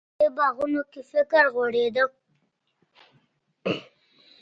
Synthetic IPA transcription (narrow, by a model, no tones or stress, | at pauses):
ebaɣunokefɪkəɾɣoɽed̪ə